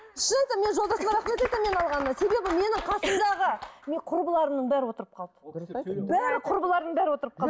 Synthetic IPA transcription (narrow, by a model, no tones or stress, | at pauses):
ɪʃənɑjt̪əme̞nʒolˠd̪ɑsəmˠɑɾɑχmet̪ejt̪ɪme̞nɑlˠʁɑnd̪ɑse̞be̞bɪme̞nɪɴqʰɑsəmd̪ɑʁəmeqʰʊɾbəlˠɑɾənəɴbæɾɪwo̞t̪əɾəp̚qʰɑlˠd̪ə̥bæɾɪqʰʊɾbəlˠɑɾd̪əɴbæɾɪwo̞t̪əɾəp̚qʰɑlˠd̪ə